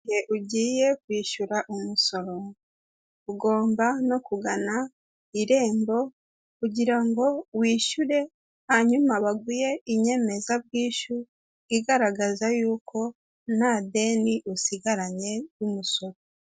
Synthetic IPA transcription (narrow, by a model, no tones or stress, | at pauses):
eʔuɟiːje̞kwiːʃuɾaʔomuso̞ɾo̞ | uɡo̞ːmbano̞kuɡana | iɾe̞ːmbo̞ | kuɟiɾaŋɡo̞wiːʃuɾe̞ | haɲumaβaɡuje̞iɲe̞me̞zaβ̚ɡiːʃu | iɡaɾaɡazajuːkʰo̞ | nade̞ːniʔusiɡaɾaɲe̞jumuso̞ɾo